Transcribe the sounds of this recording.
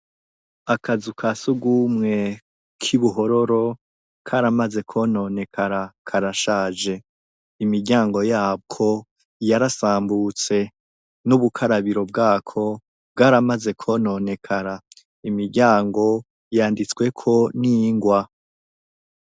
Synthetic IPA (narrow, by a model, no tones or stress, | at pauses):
akazukʰasuɡuːmŋe̞ | kʰiβuɦo̞ɾo̞ɾo̞ | kʰaɾamaze̞kʰono̞ne̞kʰaɾakʰaɾaʃaːd͡ʒe̞ | imiɾɟaːŋɡo̞jaːb̚ɡʰo̞ | jaɾasaːmbut͡se̞ | nuβukʰaɾaβiɾo̞b̚ɡaːkʰo̞ | b̚ɡaːɾamaze̞kʰo̞no̞ne̞kʰaɾa | imiɾɟaːŋɡo̞ | jaːndit͡swe̞kʰo̞niŋɡwa